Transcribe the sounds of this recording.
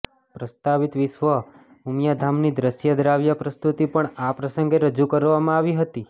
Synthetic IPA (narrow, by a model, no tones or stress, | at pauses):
pɾəst̪aʋit̪ʋɪʃʋə | umjad̪ʱamnid̪ɾəʃjəd̪ɾaʋjapɾəst̪ut̪ipəɳapɾəsəŋɡeɾəd͡ʒukəɾʋamãaʋiɦət̪i